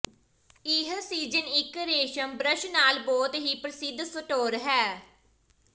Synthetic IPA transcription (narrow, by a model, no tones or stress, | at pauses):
ɪɦsiːd͡ʒənɪkɾeːʃəmbɾəʃnaːlbɔːt̪ɦiːpɾəsɪd̪səʈoːɾɦɛː